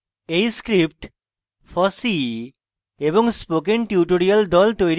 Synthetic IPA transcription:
ejskɾip̚ʈ | fʰɔsi | eboŋspokenʈjiuʈoɾiald̪ɔlt̪ojɾ

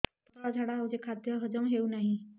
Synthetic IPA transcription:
t̪ət̪ad͡zʱaɽaɦawd͡ʑekʰad̪jəɦəd͡zəmɦeunaɦi

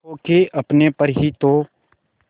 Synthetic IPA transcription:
okeʔɐpnepəɾɦit̪oː

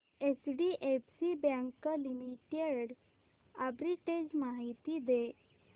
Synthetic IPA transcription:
esɖiʔepsibjãŋkəlimiʈeɽ | abɾiʈed͡ʑmaɦit̪id̪e

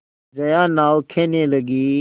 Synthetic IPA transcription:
d͡ʒɐjãːnaːwkʰeːnẽːləɡiː

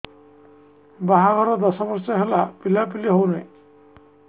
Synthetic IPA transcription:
baɦaɡʱɔɾɔd̪əsabəɾsaɦelapilap̬iliɦownaj

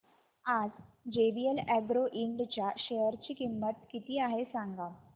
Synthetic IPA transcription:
ad͡zd͡ʑebielæɡɾoʔiɳɖt͡ɕjaɕejəɾt͡ɕiːkimːət̪̚kit̪iːaɦesãŋɡa

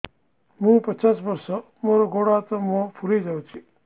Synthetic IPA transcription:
mũːpət͡ʃaːsbəɾso | moːɾoɡoːɽat̪əmõpʰuɾid͡ʒawt͡ʃʰi

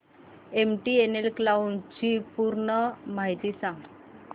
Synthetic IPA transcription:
emʈienelklawnt͡ɕipuɾɳəmaɦit̪iːsãŋɡ

